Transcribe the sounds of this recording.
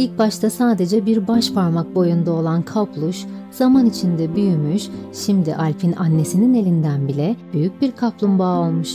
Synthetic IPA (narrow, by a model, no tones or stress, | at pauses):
ilʲc̚baʃt̪ʰasaːd̪e̞d͡ʒɛbiɾbaʃpʰaɾmak̚bo̞jund̪ao̞lˠankʰaplˠuʃz̥amanit͡ʃʰind̪ɛbyjymyʃʃimd̪iʔalʲpʰinanːe̞sinine̞lʲind̪ænbilʲɛb̥yjyc̚biɾkʰaplˠumbaːo̞lˠmuʃ